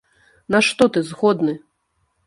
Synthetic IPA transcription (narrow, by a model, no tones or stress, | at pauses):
naʂt̪ɔt̪ɨzɣɔd̪nɨ